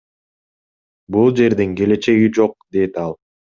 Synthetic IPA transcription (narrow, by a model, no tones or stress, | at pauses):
bulˠd͡ʒe̞ɾd̪iŋke̞le̞t͡ʃe̞ɡid͡ʒo̞q̚d̪e̞t̪ɑlˠ